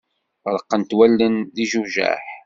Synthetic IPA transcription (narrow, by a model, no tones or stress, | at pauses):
ɾˤəqːənt̪wælːənðiʒuʒæ̰ħ